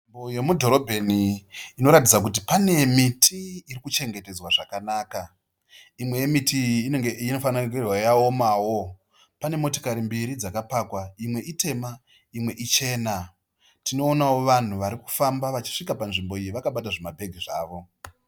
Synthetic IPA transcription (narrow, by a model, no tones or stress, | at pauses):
imboje̞mudʱo̞ɾo̞bʱeniːno̞ɾat̬id͡zak̬ut̬ipane̞mitʰiːrikut͡ʃe̞ŋɡe̞te̞d͡zwaʐakanaːka | imwe̞jemitiːeɡeino̞fanakirwajaomawo̞ | pane̞mo̞to̥kaɾimbiɾid͡zakapaːkwaimwe̞ʔite̞ma | imwe̞ʔit͡ʃe̞ːna | tino̞ːnawo̞ʋan̤uʋaɾiku̥fambaʋat͡ʃi̥ʂikapanʐimbo̞ijiʋakaɓataʐemabʱe̞ɡʱiʐaːʋo̞